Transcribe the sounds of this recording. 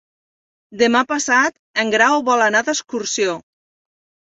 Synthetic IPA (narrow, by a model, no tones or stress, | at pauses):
d̪emapasat̪ | əŋɡɾawβɔlanaðəskuɾsjo